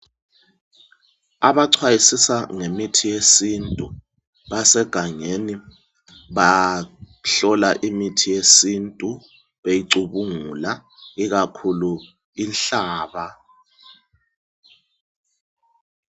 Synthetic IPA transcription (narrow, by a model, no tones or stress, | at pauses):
aβaǀʰwajisisaŋemitʰijesintʼu | βasɛɡ̥ʱaŋeni | βa | ɬɔlaʔimitʰijesintʼu | βejiǀuβuŋulaiɣakʰulu | inɬaːβa